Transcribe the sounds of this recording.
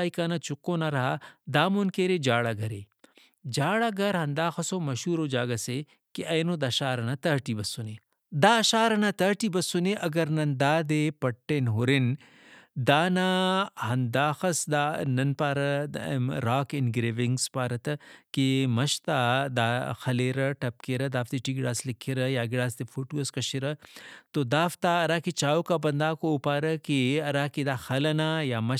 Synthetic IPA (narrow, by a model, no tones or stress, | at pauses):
ikaːnat͡ʃukːoːnaɾɐɦad̪aːmonkeːɾeːd͡ʒaːɽaɡɐɾeː | d͡ʒaːɽaɡɐɾɦɐnd̪aːxɐsoːmɐʃuːɾoːd͡ʒaːɡɐse | kiʔɐjnoːd̪ɐʃaːɾɐnat̪ɐɦʈibɐsːune | d̪aːʃaːɾɐnat̪ɐːʈiːbɐsːuneʔɐɡɐɾnɐnd̪aːd̪epɐʈːeːnɦoɾin | d̪aːnahɐnd̪aːxɐsd̪anɐnpaːɾɐ | ɾaːkɪnɡɾeʋɪŋɡspaːɾɐt̪ɐkemɐʃt̪ad̪aːxɐleːɾɐʈɐp̚keɾɐd̪aːft̪iʈiːɡɪɽaːslikʰːiɾɐjaːɡɪɽaːst̪efʰoːʈuɐskɐʃiɾɐt̪od̪aːft̪aɐɾaːkit͡ʃaːokabɐnd̪aːkoːpaːɾɐkeɐɾaːkid̪aːxɐlɐnaːjaːmɐ